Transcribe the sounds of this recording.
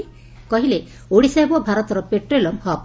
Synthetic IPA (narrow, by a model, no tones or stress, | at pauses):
kɔɦile | oɽisajbɔbʱaɾɔt̪ɔɾɔpeʈɾelɔmʱɔp